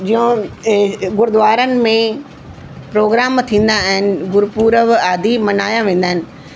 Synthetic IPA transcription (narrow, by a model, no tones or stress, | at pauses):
d͡ʑiːõ | ɡʊɾd̪ʊʋaːɾənɪ̆mẽ | pɾoːɡɾaːmt̪ʰĩːn̆d̪aːɦɪnɪ̆ɡʊɾpuːɾəʋaːd̪ʱimɐnaːjãʋẽːn̆d̪aːɦɪnɪ̆